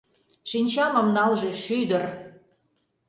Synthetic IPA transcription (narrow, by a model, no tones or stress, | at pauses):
ʃinʲt͡ɕɑmɤmnɑlʒeʃyd̪ə̆r